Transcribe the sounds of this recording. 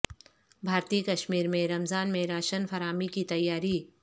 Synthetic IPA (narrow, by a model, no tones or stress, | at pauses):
bʱaːɾt̪iːkɐʃmiːɾmẽɾɐmzaːnmẽɾaːʃənfʰɐɾaːmikit̪ɐjːaːɾi